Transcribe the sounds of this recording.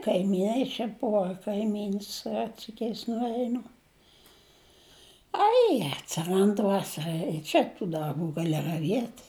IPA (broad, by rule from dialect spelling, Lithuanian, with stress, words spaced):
kɐɪmʲiːˈnɐɪ t͡ʃʲɛ ˈbʊʋɐ kɐɪˈmʲiːns ˈrɜtʲsʲɪkʲɛɪs nʊˈɛɪnʊ ˈɐɪ ɐtʲsʲɪˈrɐnt ˈʋɑːsɐrɐ ɪ ˈt͡ʃʲɛ tuː dɐrˈbuː ɡɐˈlʲɪ rɐˈʋʲiɛtʲ